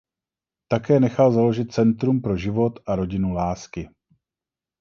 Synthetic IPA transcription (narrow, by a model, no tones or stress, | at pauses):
t̪akɛːnɛxalzalo̞ʒɪt̪̚t͡sɛnt̪ɾumpɾo̞ʒɪvo̞t̪ʔaɾo̞ɟɪnulaːskɪ